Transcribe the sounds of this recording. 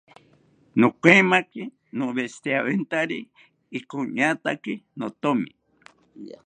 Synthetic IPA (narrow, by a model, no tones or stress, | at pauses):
nokʷemãki | nõβest̪eaβent̪aɾiː | koɲat̪akinot̪omḭ̃